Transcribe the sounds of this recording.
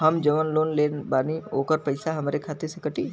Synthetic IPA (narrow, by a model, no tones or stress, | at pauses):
ɦɐmd͡ʒɐʋənloːnleːnbaːnioːkəɾpɐɪsaɦɐmɾekʰaːt̪ɪɾsekəʈiː